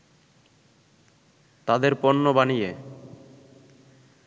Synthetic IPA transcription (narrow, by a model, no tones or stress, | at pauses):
t̪ad̪eɾpɔnːobanije